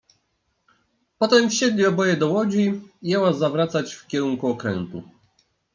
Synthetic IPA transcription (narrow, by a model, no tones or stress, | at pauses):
pɔt̪ɛmfɕɛd̪lʲiɔbɔjɛd̪ɔwɔd͡ʑijɛwazavɾat̪sat͡ɕfkʲɛɾuŋkuɔkɾɛ̰nt̪ṵ